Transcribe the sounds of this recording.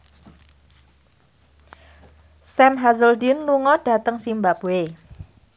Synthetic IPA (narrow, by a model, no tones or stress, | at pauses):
sɛmɦazəldinluŋɔd̥a̤t̪əŋsimbapwe